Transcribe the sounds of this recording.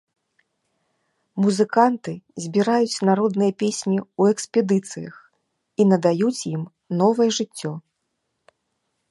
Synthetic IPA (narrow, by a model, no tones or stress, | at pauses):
muzɨkant̪ɨzʲbʲiɾajut͡sʲnaɾɔd̪nɨjɐpʲesʲnʲiuɛksʲpʲɛd̪ɨt̪sɨjɐ̰x | inɐd̪ajut͡sʲjim | nɔvɐjɛʐɨt͡sʲːɔ